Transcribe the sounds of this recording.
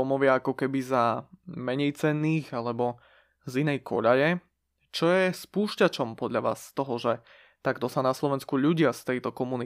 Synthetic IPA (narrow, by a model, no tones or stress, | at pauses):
ɔmɔʋɪaakɔkɛbizamɛɲɛjt͡sɛnːiːɣalɛbɔ | zinɛjkʰɔʎajɛ | t͡ʃɔjɛspuːʃcat͡ʃɔmpɔd̪ʎaʋa̰ːsːt̪ɔɦɔʒɛ | t̪aɡt̪ɔsanaslɔʋɛnskuʎuɟɪast̪ɛjt̪ɔkɔmuni